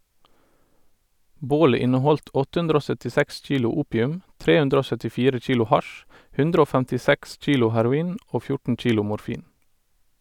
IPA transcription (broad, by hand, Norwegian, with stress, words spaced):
ˈboːlə ˈɪnəˌhɔlt ˈɔt ˈhʉndɾə ˈoː ˌsœtɪˈsɛks ˈc͡çiːlʊ ˈuːpjʉm ˈtɾeː ˈhʉndɾ ˈoː ˌsœtɪˈfiːɾə ˈc͡çiːlʊ ˈhɑʃ ˈhʉndɾ ˈoː ˌfæntɪˈsɛks ˈc͡çiːlʊ hæɾʊˈiːn ˈʔoː ˈfjʊʈɳ̩ ˈc͡çiːlʊ mʊɾˈfiːn